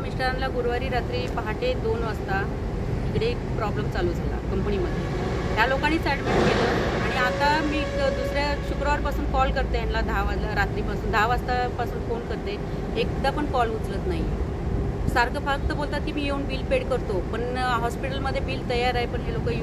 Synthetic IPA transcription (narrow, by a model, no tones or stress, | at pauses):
misʈəɾanlaɡuɾʋaɾiːɾat̪ɾiːpəɦaʈed̪onəst̪a | ikɽe | pɾɔbləmt͡saluːd͡zʱala̰kəmpəniməd̪ʱːje | ɦjalokanːiːsaɽmeɳʈkeləːaɽ̃iat̪amiːd̪usɾjaɕukɾəʋaɾpasuːnkɔlkəɾt̪əjanlad̪ʱaʋalaɾat̪ɾiːpasuːnd̪ʱaʋast̪apasuːnfonkəɾt̪e | ek̚d̪apəɳkɔlut͡slət̪naɦi | saɾkəfak̚t̪əbolt̪at̪kimiːjeuːnbiːlpeɽkəɾt̪opəɳɦɔspiʈəlməd̪ʱːjebiːlt̪əjaɾaɦjpəɳɦelokəj